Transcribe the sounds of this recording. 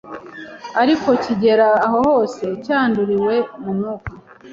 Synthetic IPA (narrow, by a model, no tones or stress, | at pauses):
aɾiko̞ciɟe̞ɾaːɦo̞ho̞ːse̞caːnduɾiwe̞munuka